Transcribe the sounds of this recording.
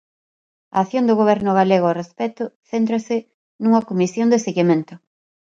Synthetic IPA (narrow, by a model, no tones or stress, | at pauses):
ɐ̰aθjond̪ʊɣoβ̞ɛɾnʊɣaleɣoarespɛt̪ʊθent̪ɾɐsɪ | nuŋɐkomisjond̪eseɣimẽnt̪ʊ